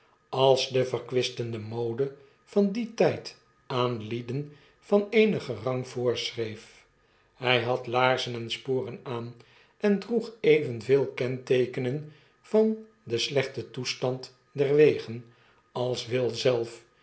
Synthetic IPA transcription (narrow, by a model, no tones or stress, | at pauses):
ɑlˠzdəvərkʋɪstəndəmowdə | v̥ɑnditɛjt | aːnlidən | v̥ɑnejnəχərɑŋv̥ʊːɹsrejf | hɛjɦɑtlaːɹzənɛnspoːrənaːn | ɛndruχejvənvɪːlˠkɛntejkənən | v̥ɑn | dəslɛχtətustɑnt | dɛrʋejχən | ɑlˠsʋɪlˠzɛlˠf